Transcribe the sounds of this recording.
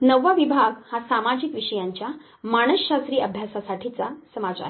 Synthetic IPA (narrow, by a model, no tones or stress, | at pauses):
nəʋːaʋibʱaɡhasamad͡ʑikʋiʂəjaɲt͡ɕja | maɽ̃əsɕast̪ɾiːəbʱjasasaʈʰit͡sasəmat͡ɕa̰ɾ